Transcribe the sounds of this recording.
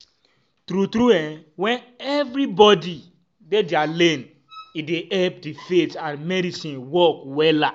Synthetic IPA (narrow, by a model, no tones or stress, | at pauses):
tɾutɾuɛ̃wɛ̃nɛvɾibɔdi | dedialẽn | ideʔɛp̚difetãnmɛɾisĩnwɔkwɛla